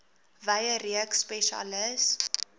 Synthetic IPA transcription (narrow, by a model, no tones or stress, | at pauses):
vɐjəɾiəkspɛʃa̰ləs